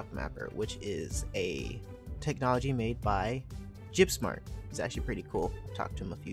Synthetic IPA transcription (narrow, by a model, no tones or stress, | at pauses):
k̚mæ̰pə̰˞wʔɪt͡ʃɪzɨ | tʰɛk̚nɑlˠəd͡ʒimeɪd̚baɪ̥ | ʒ̥ɪpsmɑ̰ɹt̚ɨzæ̰k̚t͡ʃʉl̩ˠipʰɹ̥ɪɾikʰulˠtʰɔ̰k̚tʰɨməfjʉ